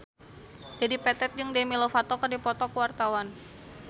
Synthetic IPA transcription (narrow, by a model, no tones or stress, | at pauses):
d͡ʒadipɛt̪ɛt̪̚d͡ʒɨŋdemilofat̪ɔkɨrdipɔt̪ɔkəwart̪awan